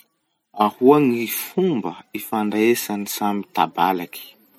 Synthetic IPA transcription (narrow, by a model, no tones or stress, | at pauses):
ahuaŋifumbəifaɳɖ͡ʐaesanisamit̪a̰balaki̥